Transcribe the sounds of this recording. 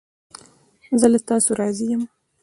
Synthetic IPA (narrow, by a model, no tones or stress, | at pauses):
zəlat̪ɑsoɾɑzijəm